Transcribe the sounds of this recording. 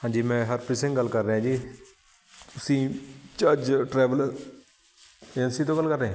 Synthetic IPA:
hãːd͡ʒiːmɛ̃ːɦəɾpɪsɪ̃ŋɡəlkəɾːeɦãːd͡ʒiː | t̪ʊsĩːt͡ʃəd͡ʒʈɾɛːʋəl | ɛnsiːt̪õːɡəlːkəɾːeã

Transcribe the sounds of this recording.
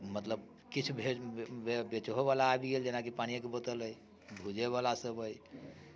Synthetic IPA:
mət̪ləb | kit͡ʃʰubʱeebet͡ʃɦoβalaːbiɡeld͡ʒenakipañijãkebət̪ələj | bʱud͡ʒeβalasəbəj

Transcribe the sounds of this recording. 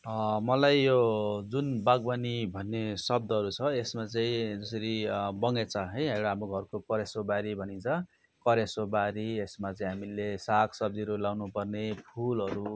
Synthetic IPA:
mʌlajjod͡zunbaɡbʌnibʱʌnːesʌb̚d̪ʌɦʌɾut͡sʰʌesmat͡saĩd͡zʌsʌɾibʌŋet͡sʰʌɦʌjʌjɽaɦamoɡʱʌrkokʌɾesobaɾibʱʌnint͡sʰʌ | kʌɾjesobaɾiesmat͡saĩɦamilesakʰsʌb̚d̪iɾulawnupʌrnepʰulʌɾu

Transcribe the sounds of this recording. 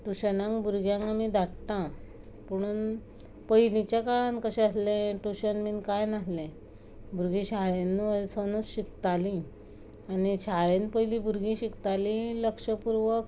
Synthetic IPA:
ʈuɕənãŋkbuɾɡjãŋamid̪aʈt̪ã | pəɽ̃uːn | pəɦilit͡ɕjakaɭãnkəɕɛ̃əslɛ̃ʈuɕənmiːnkajnaɦlɛ̃ | bʱuɾɡĩɕaɭenːuəsonusɕik̚t̪alĩ | anit͡ɕaɭenpəjlĩbuɾɡĩɕikt̪alĩləkʂəpuɾʋək

